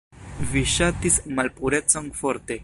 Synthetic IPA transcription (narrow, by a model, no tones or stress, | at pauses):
viʃatismalpuɾe̞t͡so̞nfo̞ɾte̞